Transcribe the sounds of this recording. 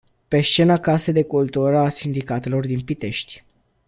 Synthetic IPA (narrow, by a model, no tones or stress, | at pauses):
pe̞st͡ʃe̞nakased̪e̞kult̪uɾəasind̪ikat̪e̞lo̞rd̪inpit̪e̞ʃt̪ʲ